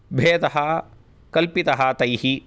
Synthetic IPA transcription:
bʱeːd̪ɐɦɐ | kɐlpit̪ɐɦɐt̪ɐjhi

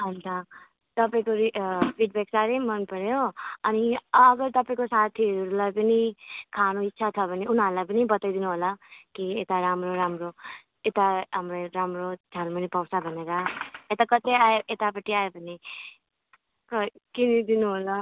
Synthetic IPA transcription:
ɦʌnt̪ʌ | t̪ʌpaĩkoɾipʰiɖbeksaɾejmʌnpʌɾjoʌniʌɡʌɾt̪ʌpaĩkosat̪ʰiʌɾɾulajpʌnikʰanoitːsʰat͡sʰʌbʱʌniunaɾulajpʌnibʌt̪ajd̪inuɦolakiet̪aɾamɾoɾamɾo | et̪aɦamɾeɾamrotʰanmʌnipʌwsabʱʌneɾaet̪akʌt̪eajeʔet̪apʌʈʰiajobʱʌne | kʌkinid̪inuɦola

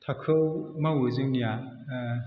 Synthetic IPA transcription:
tʰakʰɯwmawuzɯŋnija

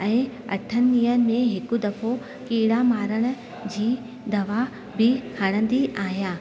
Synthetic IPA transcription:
ɛ̃ː | ɐ̰ʈʰːənɪiːənɪ̆mẽɦɪkʊ̆d̪ɐfʰo | kiːɽamaːɾəɽ̃ʊ̆ | d͡ʑiː | d̪ɐʋa | bɪhɐɽ̃ə̃nd̪iʔaːɦijaː

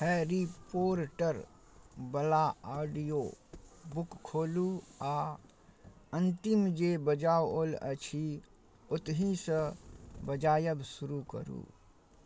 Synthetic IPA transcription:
hɛːɾipoːɾʈəɾ | bəlaaːɖijoːbʊkkʰːoːluaː | ə̃nt̪ɪmd͡ʒeːbəd͡ʒaːwoːlə̰t͡ʃʰi | ʊt̪ɦĩsəbəd͡ʒaːjəbsʊɾukə̰ɾṵː

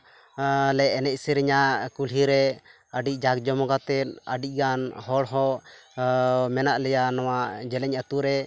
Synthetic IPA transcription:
lɛɛnɛc̚ˀsiɾɛɲakulɦiɾɛ | əɖic̚ˀd͡ʒakd͡ʒɔmɔɡat̪ɛt̪̚ə̰ɖic̚ˀɡanhɔɽɦɔʔ | mɛnaʔlɛjanɔwad͡ʒɛlɛɲət̪uɾɛ

